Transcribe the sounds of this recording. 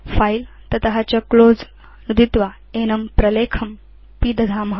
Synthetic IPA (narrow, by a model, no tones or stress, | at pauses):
fajl | t̪ɐt̪ɐɦat͡ʃɐkloːd͡z | nud̪it̪ʋa | eːnɐmpɾɐleːkʰɐm | piːd̪ɐd̪ʱaːmɦ